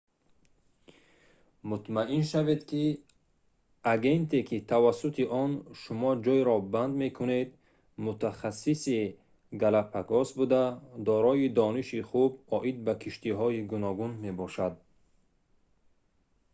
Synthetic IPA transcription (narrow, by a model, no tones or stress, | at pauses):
mut̪maʔinʃaved̪kʰi | aɡe̞nt̪ʰe̞kʰit̪ʰavasut̪ʰiʔɔnʃumɔd͡ʒɔjɾɔband̪me̞kʰune̞d̪ | mut̪ʰaχasːisi | ɡalapʰaɡɔsbud̪ad̪ɔɾɔid̪ɔniʃiχubɔʔid̪̚bakʰiʃt̪iɦɔiɡunɔɡunme̞bɔʃad̪̚